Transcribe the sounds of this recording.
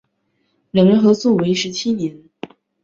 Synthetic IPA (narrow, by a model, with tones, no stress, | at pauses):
ɻə˧˥ŋɻə˧˥nxɤ˧˥t͡swɔ˥˩we˧˥ɪʂɻ̩˧˥t͡ɕʰi˥njɛ˧˥n